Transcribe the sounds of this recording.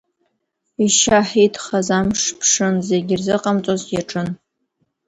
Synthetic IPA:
iʃaħitʰχazamʂpʰʂɨnze̞ɡʲɪrzɨqʼamt͡sʼozjaʈ͡ʂʼɨn

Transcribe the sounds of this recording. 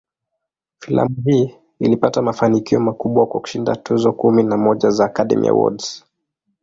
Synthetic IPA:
fila̰muɦiː | ilipatamafanikiɔmakuɓwakwaku̥ʃinda̰tuzɔkuminamɔʄazaːkaɗɛ̰mḭa̰wɔ̰ds

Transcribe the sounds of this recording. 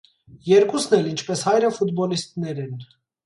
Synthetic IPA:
jɛɾkusnɛlint͡ʃʰpɛshɑjɾəfut̪bɔlist̪̚nɛɾɛn

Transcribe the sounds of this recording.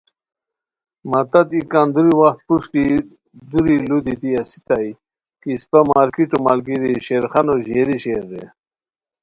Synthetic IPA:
mat̪ɐt̪ikaːnd̪uɾiwaxt̪̚puʂki | d̪uɾilud̪it̪iasi̥t̪aj | kispamaːɾkiʈomalɡiɾiɕeɾxanoʑeɾiɕeːɾd̪ḛ

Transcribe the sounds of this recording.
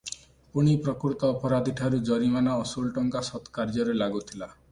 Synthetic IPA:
puɽ̃ipɾɔkuɾt̪ɔːpɔɾad̪ʱiʈʰaɾud͡ʒɔɾimanaːsulʈɔŋkasɔt̪kaɾd͡ʒɔɾelaɡut̪ʰila

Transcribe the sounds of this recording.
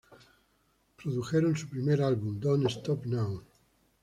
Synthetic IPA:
pɾoðuxeɾonsupɾimeɾalβumd̪onest̪ɔpnawn

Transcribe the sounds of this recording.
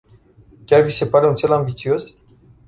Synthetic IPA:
kʲarvise̞paɾeunt̪se̞lambit̪sio̞s

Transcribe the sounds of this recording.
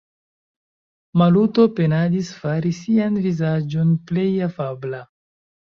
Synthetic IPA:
maluto̞pe̞nadisfaɾisianvizad͡ʒo̞nple̞jafabla

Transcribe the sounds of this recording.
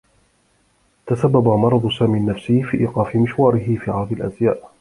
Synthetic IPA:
t̪asabːabamɑɾˤɑd̪ˤsaːmiːnːafsifiːʔiːqɑːfɪmɪʃwɑːɾɪɦɪfiːʕɑɾd̪ˤɪlʔa̰zjaːʔ

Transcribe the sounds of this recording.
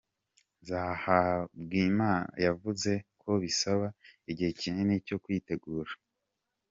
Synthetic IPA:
nzaːhabɡiːmaːn̰javuze̞kʰo̞βisaβaiɟihe̞ciɲeneco̞kwiːte̞ɡuːɾa

